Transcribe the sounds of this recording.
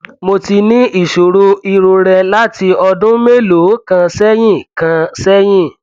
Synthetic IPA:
mo˧ti˧nĩ˦ʔi˦˨ʃo˨ɾo˧i˧ɾo˧ɾɛ˧la˦ti˧ɔ˧dũ˦me˦lo˨˦kã˧sɛ˦j̃ĩ˦˨kã˧sɛ˦j̃ĩ˦˨

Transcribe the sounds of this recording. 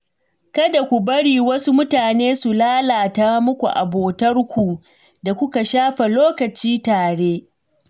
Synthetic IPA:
kɐ˦da˨kʷu˨bɐ˦ɽiː˨wɐ˦su˦mʊ˦taː˨neː˦su˨laː˦laː˨taː˦mʊ˦kʷu˨ʔa̰˨boː˨tɐ˦rkʷu˨ | da˨kʷʊ˦ka˨ʃaː˦ɸa˨loː˦kɐ˨t͡ʃiː˦taː˨ɽeː˦

